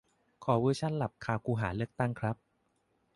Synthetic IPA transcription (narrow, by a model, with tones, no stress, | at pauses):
kʰɔː˩˦wɯː˧˥˩t͡ɕʰa˦˥˩nla˨˩p̚kʰaː˧wkʰuː˧ɦaː˩˦lɯ˥˩ək̚t̪a˥˩ŋkʰɾa˦˥p̚